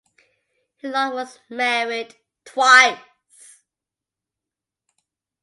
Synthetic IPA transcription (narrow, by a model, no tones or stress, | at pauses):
hɪzlaɪwʌzmɛɹɪd | tʰw̥aɪ | s